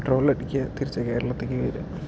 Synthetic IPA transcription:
ʈroːllɐɽikʲːɐt̪iɾit͡ɕːɐkeːɾɐɭɐt̪ːeːk̬ʲːɨʋɐɾɨ

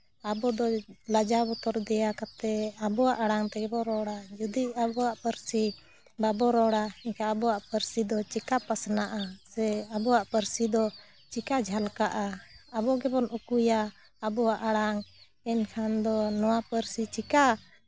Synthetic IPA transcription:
abɔd̪ɔlad͡ʒabɔt̪ɔɾd̪ɛjakat̪ɛabɔwaʔaɽaŋt̪ɛɡɛbɔɾɔɽad͡ʒud̪iabɔwaʔpəɾsi | babɔɾɔɽaikaabɔwaʔpəɾsid̪ɔt͡ʃikapasnaʔasɛabɔwaʔpəɾsid̪ɔ | t͡ʃikad͡ʒʱalkaʔaabɔɡɛbɔnukujaː | bɔwaʔaɽaŋ | ɛnkʰand̪ɔnɔwapəɾsit͡ʃika

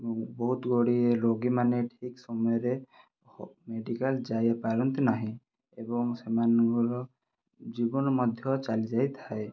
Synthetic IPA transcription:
bɔɦut̪ɡoɽiɾoɡimanɛʈʰiksɔmɔjɔɾɛ | meɖikalzajapaɾɔnt̪inaɦĩ | ebɔŋsɛmanɡɔɔ | zibɔnɔmɔd̪ʱjɔt͡ʃalizajt̪ʰaj

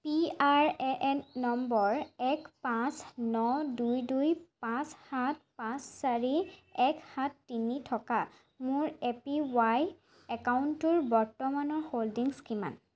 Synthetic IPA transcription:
piaɹɛʔɛnːɔmbɔɹɛkpãsnɔdujdujpãshat̚pãssaɹiɛkhatʰːinitʰɔka | mʊɹepiwaj | ɛkawʊntʊɹbɔɹtɔmanɔɹholdiŋskima̰n

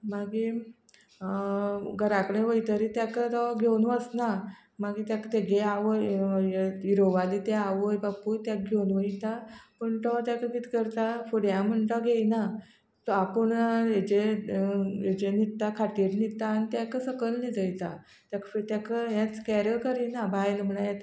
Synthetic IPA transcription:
maɡi | ɡəɾakɽ̃ẽʋəjt̪əɾit̪jakət̪ɔɡʱewnʋəsna | maɡit̪jakt̪eɡeaʋəj | iɾoʋalit̪eaʋəjbaput̪jak̚ɡʱewnʋəit̪apəɳʈ̪ɔt̪jakəkit̪i̥kəɾt̪afoɽjãməɳʈɔɡʱeina | t̪ɔapəɳed͡ʑe | ed͡ʑenit̪ːakʰaʈiɾnit̪aːnit̪jakəsəkəlnid̪əjt̪a | t̪jakfet̪jakəɦjat͡skɛɾəkəɾinabajlm̤əɭajat̪

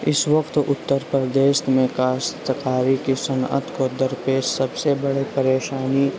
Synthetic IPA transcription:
ɪsʋɐkt̪ʊt̪ːəɾpɾəd̪eːʃmẽkaːst̪əkaːɾikisənə̰t̪kod̪əɾpeːd͡ʒsɐbsebəɽipəɾeːʃaːni

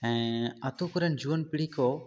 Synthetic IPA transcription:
ɛ̃ːɐt̪uːkʊɾənd͡ʒuːənpɪɽiːkoː

